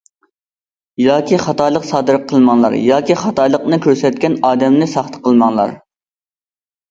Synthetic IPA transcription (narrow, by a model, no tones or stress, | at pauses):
jɑːkʲʰiχɑt̪ɑjlˠəqsɑːd̪ɨɾqʰːəlˠmɑŋlˠɑ̰ɾjɑːkʲiχɑt̪ɑjlˠəqnɨkʲʰøɾsɛt̪̚kʲɛnɑːd̪ɛmnɪsɑχt̪ʰə̥qʰəlˠmɑŋlˠɑ̰ɾ